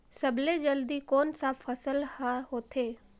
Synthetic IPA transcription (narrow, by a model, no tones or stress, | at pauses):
səbled͡ʒəld̪iːkoːnsaːpʰːəsəlhaɦoːt̪ʰeː